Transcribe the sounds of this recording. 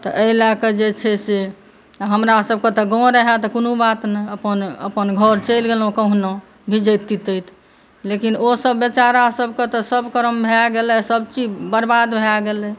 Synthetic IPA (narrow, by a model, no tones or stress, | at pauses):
t̪ɔʔelaked͡ʒet͡ʃʰɛse | ɦəmɾasəb̚ʱket̪ɔɡɔ̃ɾəɦat̪ɔkonubat̪nɛəpənə̰pənɡʱəɾt͡ʃəɪlɡelɦũkəɦnɔ | bʱid͡ʒəjt̪ːit̪əjt̪ | lekinosəbːət͡ʃaɾasəbʱket̪ɔsəbkəɾəmbʱeaɡelɛsəbt͡ʃid͡ʒbəɾbad̪bʱeaɡelɛ